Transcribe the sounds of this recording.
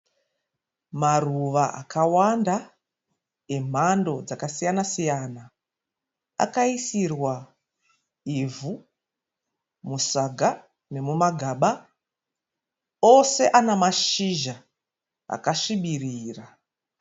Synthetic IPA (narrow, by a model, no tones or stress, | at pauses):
maruʋaʔa̰kʰawanda | em̤ando̞d͡zakasijanasijana | a̰kaisirwa | ivu | musaɡʱa | ne̞mumaɡʱaɓa | ose̞ʔanamaʃiʒa | a̰kaʃiɓiriːra